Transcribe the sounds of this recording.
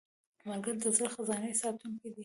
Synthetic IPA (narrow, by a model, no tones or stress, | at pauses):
maɾɡaɾd̪əzaɾxazɑnəjsɑt̪uŋkid̪i